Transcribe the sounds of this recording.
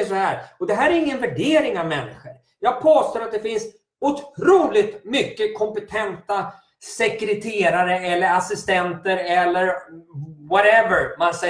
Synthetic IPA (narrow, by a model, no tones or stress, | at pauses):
ʂɔhæːɾɔd̪ɛɦæːɾæɾɪŋːənvæɖeːɾɪŋavmɛnːɪɧəɾ | jɑːɡ̚pʰoːst̪oːɾat̪d̪ɛfɪns | ʊt̪ʰɾuːlɪt̪mʏkːəkʰɔmpɛt̪ʰɛnt̪a | sɛkɾɛt̪ʰeːɾaɾəɛlːəɾasɪst̪ɛnt̪əɾɛlːəɾ | wɔɾɛvəɾmansɛ